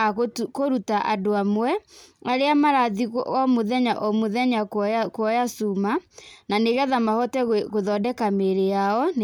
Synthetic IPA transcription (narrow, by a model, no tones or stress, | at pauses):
koɾutaʔadoamwɛaɾeamaɾaðiɔmoðɛɲa̰ʔɔmoðɛɲakkwɔjasumananeɣɛðamahɔtɛɣoðɔdɛkameɾejaɔn